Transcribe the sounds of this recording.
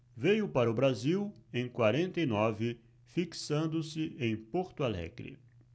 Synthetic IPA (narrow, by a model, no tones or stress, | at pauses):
vejʊpaɾɐʊbɾaziwẽj̃kwaɾẽnt̪ɐinɔvɪ | fiksɐ̃nd̪ʊsɪẽj̃poɾt̪ʊalɛ̰ɡɾɪ̰